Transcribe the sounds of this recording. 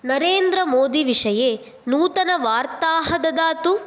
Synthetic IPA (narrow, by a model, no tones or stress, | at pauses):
nɐɾeːnd̪ɾɐmoːd̪iʋiʂɐjeː | nuːt̪ɐnɐʋaːɾt̪aːɦɐd̪ɐd̪aːt̪u